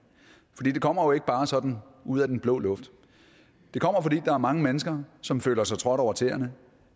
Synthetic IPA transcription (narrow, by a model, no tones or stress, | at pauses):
fɒdḭːd̥e̝kʰɒ̽m̰ɐjo̝e̝ɡ̥əb̥ɑ̈ːsɒ̽d̥n̩uð̞̰ˠæd̥enb̥lɔ̰̽ːlɔ̽fd̥ | d̥e̝kʰɒ̽m̰ɐfɒ̽dḭːd̥ɑ̈æɐmɑ̈ŋəmenəsɡ̥ɐsɒ̽mfø̰ːlɐsɑ̈ɪt͡sʰʁɒ̽ɾ̥ɒʊ̰ɐt͡sʰe̝̰ːɐnə